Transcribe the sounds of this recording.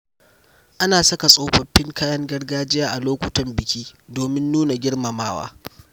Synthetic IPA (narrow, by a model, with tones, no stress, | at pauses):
ʔa˦naː˨sɐ˦ka˨sʼoː˦ɸɐ˨ɸːɪ˦ŋkaː˦jɐ˦ŋɡɐ˦rɡaː˦d͡ʒɪ˦jaː˦ʔa˨loː˦kʷʊ˦tɐ˨mbɪ˨kʲiː˦doː˨mɪ˦nːuː˦na˨ɡʲɪ˦ɽmɐ˨maː˦wa̰ː˦